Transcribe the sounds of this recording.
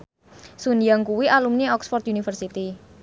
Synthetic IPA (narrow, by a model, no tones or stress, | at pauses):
sunijaŋkuwiʔalumniɔksfɔrt̪̚unifərsit̪i